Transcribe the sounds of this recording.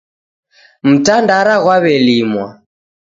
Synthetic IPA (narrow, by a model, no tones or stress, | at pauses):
m̩tandaɾaɣwaβɛlimwa